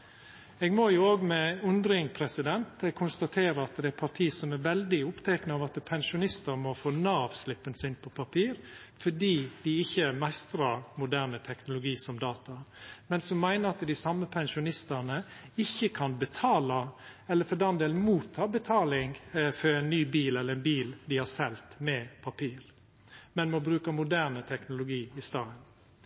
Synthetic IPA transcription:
eːɡmɔjʊoːɡmɛʉnd̪ɾɪŋpʰɾɛsɪd̪ɛnt̪kʰʊnst̪ɑt̪ʰeːɾəɑt̪d̪ɛæɾpʰɑʈ̪ʰiːsɔmæɾʋɛld̪ɪʊpt̪ʰɛːknəɑːʋɑt̪pʰɛnʃʊnɪst̪əɾmɔfoːnɑːɑʋslɪpːənsɪnpʰɔpʰɑpʰiːɾfɔɖiːd̪̥ɪɪçːəɛmæɪst̪ɾɑmʊd̪æːɾnət̪ʰɛknʊlʊɡiːsɔmd̪ɑːt̪ɑmɛnsɔmːæɪnəɾɑt̪d̪ɪsɑmːəpʰɛnʃʊnɪst̪ənəɪçːəkʰɑnbət̪ʰɑːlɑɛlːəɾfɔd̪ɛnd̪eːlnmuːt̪ʰːɑːbət̪ʰɑːlɪŋfɔɾɛɪnːyːbiːlɛlːəɾɛnbiːld̪ɪhɑsɛlt̪mɛpʰɑpʰiːɾ | mɛnmɔbɾʉːkəmʊd̪æːnət̪ʰɛknʊlʊɡiːɪst̪ɑːən

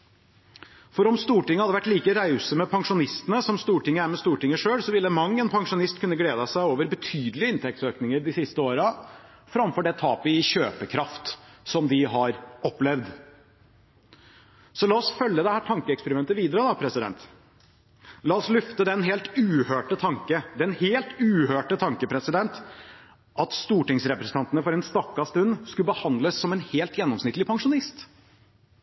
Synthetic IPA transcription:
fɔɾɔmst̪uːʈɪŋːəhɑd̪ːəʋæʈːliːkəɾæʏsəmɛpʰɑŋʂʊnɪst̪ənəsɔmst̪uːʈɪŋːəæɾmɛst̪uːʈɪŋːəʂøːlsɔʋɪlːəmɑŋːənpʰɑŋʂʊnɪst̪kʰʉnːəɡleːd̪əsæɪoːʋəɾbət̪ʰyːd̪əlɪəɪnt̪ʰɛk̚t̪søːknɪŋəɾɖ̪ɪsɪst̪əoːɾɑ | fɾɑmfɔɖɛt̪ʰɑːpəɪɕøːpəkʰɾɑft̪sɔmd̪ɪɦɑɾɔpːlɛʋd̪ | sɔlɑːɔsfœljəd̪ɛhæːʈʰɑŋkəɛkspəɾɪmɛnt̪əʋiːd̪əɾəd̪ɑpʰɾɛsɪd̪ɛ̰nt̪ | lɑːɔslʏft̪əd̪ɛnɦeːlt̪ʉːhøːʈət̪ʰɑŋkəd̪ɛnheːlt̪ʉːhøːʈət̪ʰɑŋkəpʰɾɛsɪd̪ɛnt̪ | ʔɑt̪st̪uːʈɪŋsɾɛpɾəsn̩ɑnt̪ənəfɔɾɛnst̪ɑkːɑst̪ʉnːskʉbəhɑnd̪ləsːɔmɛnheːlt̪jɛnːɔmsnɪt̪lɪpʰɑŋʂʊnɪst̪

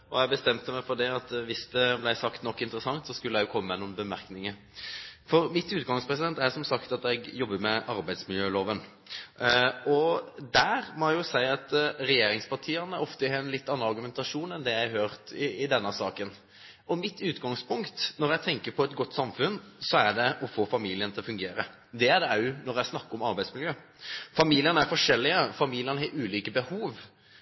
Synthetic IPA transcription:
ɔjæɡbəst̪ɛmt̪əmæɪfɔd̪ɛɑt̪ʋɪsd̪ɛblæɪsɑkt̪nɔkːɪnt̪əɾəsɑŋt̪sɔskʉlːəæɪjʊkʰɔmːəɛnʊnbəmæɾknɪŋə | fɔɾmɪt̪ʉːt̪ɡɑŋspʰɾɛsɪd̪ɛnt̪æɾsɔmsɑkt̪ɑt̪ɛɡjɔbːəmɛʔɑɾbæɪsmɪljøːloːʋən | ɔd̪æɾmɔjʊsæɪɑt̪ɾɛjeːɾɪŋspɑʈʰiːənəɔft̪əhɛɛnlɪt̪ːɑnːəɑɾɡʉmɛnt̪ɑʂuːnɛnd̪ɛjæɪhøːɾt̪ɪɪd̪ɛnːəsɑːkən | ɔmɪt̪ːʉːt̪ɡɑŋspʊŋkt̪nɔɾjæɡt̪ʰɛŋkəɾpʰɔɛt̪ɡɔt̪ːsɑmfʉnsɔæɖɛʔɔfoːfɑmiːlɪənt̪ʰɪlɔfʉŋɡeːɾə | d̪ɛæɖɛɑʉnɔɾjæɪsnɑkːɔmɑɾbæɪd̪smɪljøː | fɑmiːlɪənəæɾfɔʂɛlːɪəfɑmiːlɪənəhɑɾʉːliːkəbəhuːʋ

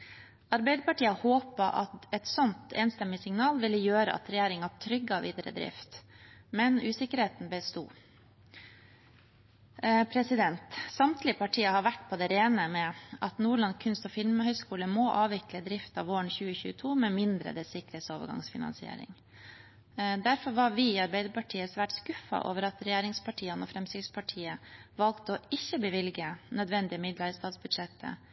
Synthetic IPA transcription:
ɑɾbæɪd̪əpɑʈiːəhoːpəʔɑ̰t̪ɛt̪sɔnt̪eːnst̪ɛmːɪsɪŋnɑːlʋɪlːəjøːɾə̰ʔɑ̰t̪ɾɛjeːɾɪŋɑʈʰɾʏɡːɑʋiːd̪əɾə̰d̪ɾɪ̰ft̪mɛnʉːsɪkəɾheːt̪n̩bəst̪ṵː | pʰɾɛsɪd̪ɛnt̪sɑmt̪ʰlɪəpʰɑʈʰiːəhɑɾʋæʈpʰɔd̪ɛːɾeːnəmɛʔɑt̪nuːɭɑnkʰʉnst̪ɔfɪlməhœʏskuːləmɔːʔɑːʋɪkləd̪ɾɪft̪ɑːʋoːəɳçʉːəçʉ̰ːət̪ʰuːmɛmɪnd̪ɾə̰d̪ɛsɪkɾeːsoːʋə̰ɡɑ̰ŋsfɪnɑ̰nsɪḛːɾɪ̰ŋ | d̪æɾfɔɾʋɑɾʋɪiːɑɾbɛɪd̪əɾpʰɑʈʰiːəsʋæʈskʉfɑ̰ʔo̰ːʋəɾɑt̪ɾɛjæːɾɪŋspʰɑʈʰiːənɔːfɾɛmsɪspʰɑʈʰiːəʋɑlkt̪ɔɪçːəbəʋɪlɡənœd̪ʋɛnd̪ɪəmɪd̪lɑɾəst̪ɑːt̪sbʉd̪ʂɛt̪ʰːə̰

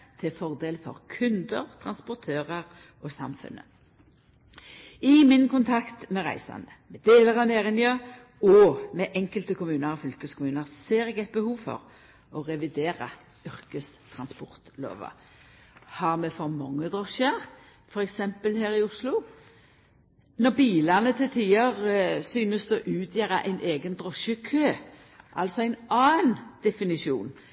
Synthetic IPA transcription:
t̪ʰɪfɔʁd̪eːlfɔ̰ʁkʰʉnd̪əʁt̪ʰʁɑnspʊʁt̪ʰøːʁəʁ | ɔsɑ̰mfʉ̰nːə | ɪmɪnkʊnt̪ʰɑkt̪mɛʁæ̰ɪsɑ̰nəmɛd̪eːləʁɑneːʁɪnjɑ | ɔmɛʔɛŋkəlt̪əkʊmʉːnəɾɔfʏlkəskʰʊmʉːnəʁseːʁɛːɡɛt̪̚bəhuːʋfɔ̰ʁ | ɔʁɛʋɪd̪eːɾɑ | ʏʁkəst̪ʰʁɑnspɔʁt̪lo̰ːʋɑ̰ | hɑʁmɛfɔʁmɑŋːəd̪ʁɔʃəʁ | fɔɾɛksɛmpəlheːɾɪʊslʊ | nɔʁbiːlɑnət̪ʰɪlt̪ʰiːəʁsyːnəsd̪ɔʔʉːt̪ʰjæːʁɑʔæ̰ɪnʔeːɡənd̪ʁɔʃəkʰøː | ʔɑlsɔæɪnɑːnd̪̥ɛfɪnɪʃɪṵːn

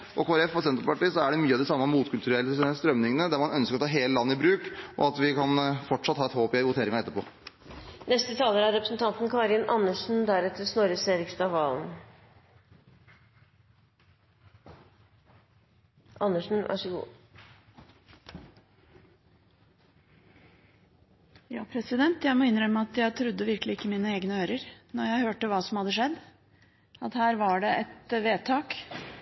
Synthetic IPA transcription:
ʔɔkʰoːɾɛffɔɾsɛnt̪ɾpɑʈiːsɔæɖɛmyːɑʋd̪ɪsɑmːɑmuːt̪kʰʉlt̪ʉɾɛlːəst̪ɾœmnɪŋənəd̪æɾmɑnœnskəɾɔt̪ʰɑːɦeːləlɑnːɪbɾʉːkɔ̰ɑt̪ʋɪkʰɑnfɔʈʂɑt̪ːhɑːɛt̪hoːpɪʋʊt̪ʰeːɾɪŋɑɛt̪ːəpɔ̰ː | nɛst̪ət̪ʰɑːləɾæɾɛpɾəsn̩t̪ʰɑnt̪nkʰɑːɾənʔɑnːəʂn̩d̪æɾɛt̪ːəsnoːɾəseːɾɪkst̪ɑʋʋɑːln | ʔɑnːəʂn̩ʔæ̰ʂəɡṵː | jɑːpʰɾɛsɪd̪ɛnt̪jæɪmɔɪnɾœmæɑt̪jæɪt̪ʰɾʉd̪ːəʋɪɾklɪɪkːəmiːnəeːɡnəøːɾəɾnɔɾjæɪhøːʈəʋɑːsɔmhɑd̪ːəʂɛd̪ | ɑt̪hæːɾʋɑɖɛʔɛt̪ʋeːt̪ʰɑːk

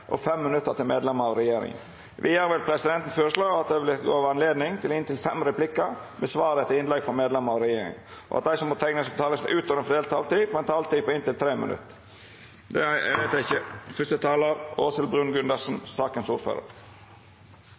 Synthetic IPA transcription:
ʔɔ̰fɛmːɪnʉt̪ːəɾt̪ʰɪlmeːd̪lɛməɾɑʋɾɛjeːɾɪ̰ŋə̰n | ʋʔɪ̰jæːɾʋɛlpʰɾɛsɪd̪ɛnt̪ən̩sføːɾəslɑːɑt̪̚d̪ɛʋɪlɡo̰ːʋɑnleːd̪nɪŋt̪ʰɪlɪnt̪ɪlfɛmɾɛplɪkːəɾmɛsʋɑːɾət̪ʰɪlɪnlɛɡfɔɾmeːd̪lɛmːəɾɑʋɾɛjeːɾɪ̰ŋʔɔ̰ɑt̪d̪æɪsɔmpɔt̪ʰɛŋnəsət̪ʰɑːləsmɛʔʉːt̪ɔɾənfd̪eːlt̪ʰːɑlt̪ifɛnt̪ʰɑɑlt̪iːpɔɪnt̪ɪlt̪ʰɾeːmə̰nʉ̰t̪ː | d̪ɛʋæɪt̪jæɪçːəfœst̪ət̪ʰɑːləɾoːsəlbɾʉːnɡʉnd̪əsn̩sɑːkənsuːɾfø̰ːɾə̰ɾ

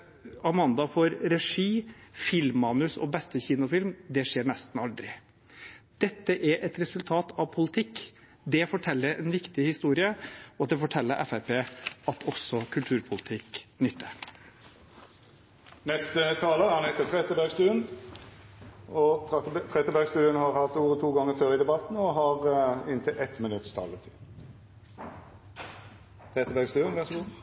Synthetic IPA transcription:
ɑmɑnd̪ɑfɔɾɾɛʂiːfɪlmːɑːnʉsɔ̰bɛst̪əçiːnʊfɪlmd̪ɛʂeːɳɛst̪n̩ɑld̪ɾɪ̰ | d̪̥ɛt̪ːəʔæɾʔɛt̪ɾɛsʉlt̪ʰɑːt̪ʰɑʋpʰʊlət̪ʰɪkː | d̪ɛfɔʈʰɛlːəɾɛ̰nʋɪkt̪ɪhɪst̪uːɾɪəɔd̪ɛfɔʈʰɛlːəɾʔɛ̰fæɾpeːɑt̪ʰɔsːɔkʰʉlt̪ʰʉːɾpʰʊlət̪ʰɪknʏt̪ʰːə | nɛst̪ət̪ʰɑːləəhɑnhɛt̪ːət̪ʰʁɛt̪əbæɡst̪ʉːən | ɔt̪ʰʁɛt̪ːəbæɡst̪ʉːənhɑɾhɑt̪uːʁət̪ʰuːɡɑŋːəføːɾɪd̪ɛbɑt̪n̩ɔɦɑʁɪnt̪ʰɪlʔɛt̪mɪnʉt̪st̪ʰɑ̰ːlət̪ʰɪ | t̪ʰʁɛt̪ːəbæːɡst̪ʉːənʋæʁʂɔɡuː

